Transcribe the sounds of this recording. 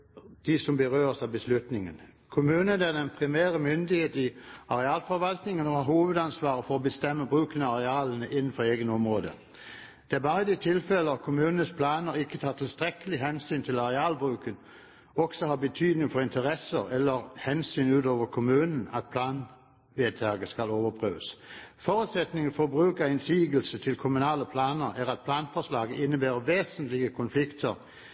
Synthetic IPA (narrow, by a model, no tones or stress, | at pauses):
d̪̥ɪsɔmbəʁøːʁsɑʋbəslʉt̪nɪŋənkʰʊmʉːnəd̪ɛnɛɪnpʰʁɪmæːʁəmʏnd̪ɪheːt̪ɪɑʁɛɑːlfɔɾʋɑlt̪nɪŋənɔhɑːɾhoːʋəd̪ɑnsʋɑːʁəfɔʁɔbəst̪ɛmːəbʁʉːkənəɑʁɛɑːlənəʔɪnːən̩fɔʁeːɡənɔmʁoːd̪ə̰ | d̪̥ɛæbɑːʁəd̪ɪt̪ʰɪlfɛləɔkʰʊmʉːnənəspʰlɑːnəɾɪkːət̪ʰɑːt̪ʰɪlst̪ʁɛkəlɪɦɛnsyːnt̪ʰɪlɑʁɛɑːlbʁʉːkən | ɔɡ̥sɔhɑːbət̪ʰyːd̪nɪŋfɔʁɪnt̪ʰəʁɛsəʁɛlːəʁhɛnsyːnʉːt̪oːʋəkʰʊmʉːnn̩ɑ̰t̪̚pʰlɑːn | ʋeːt̪ʰæʁɡəskɑloːʋəpʰʁøːʋəsfɔːʁʉːt̪sɛt̪nɪŋəfɔbʁʉːkəʁɪnsiːɡəl̩sət̪ʰɪlkʰʊmʉnɑːləpʰlɑːnəʁæʁɑt̪̚pʰlɑːnfɔslɑːɡəʔɪnːəbæːʁəʋeːsən̩t̪lɪɡəkʰʊnflɪkt̪ʰəʁ